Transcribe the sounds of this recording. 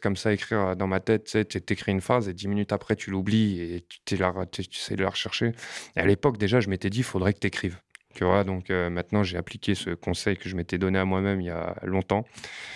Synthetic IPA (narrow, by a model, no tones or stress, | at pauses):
kɔmsaekχiʁd̪ɑ̃mat̪ɛt̪̚ːsɛt̪yat̪ekχiynfχazed̪iminyt̪apχɛt̪ʰylubliet̪y̥t̪ylaʁt̪t̪yesɛjd̪əla̰ʁəʃɛʁʃeea̰lepɔkd̪eʒaʒəmet̪ɛd̪ifod̪ʁɛkə̥t̪yekχivt̪yvwad̪ɔ̃kømɛ̃t̪nɑ̃ʒeaplikʲesəkɔ̃sɛjkəʒəmet̪ɛd̪ɔneamwamɛmilja̰lɔ̃t̪ɑ̃